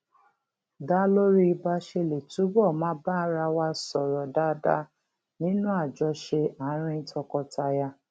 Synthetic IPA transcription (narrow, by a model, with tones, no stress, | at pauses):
da˦lo˦ɾi˦i˧ba˧ʃe˧le˨tu˨˦bɔ˦˨mã˨˦ba˦ɾa˧wa˧˦sɔ˨ɾɔ˨da˧˦da˧˦ | nĩ˦nũ˦a˦˨d͡ʒɔ˨˧ʃe˧a˨˦ɾ̃ĩ˧ĩ˧tɔ˧kɔ˧ta˧ja˧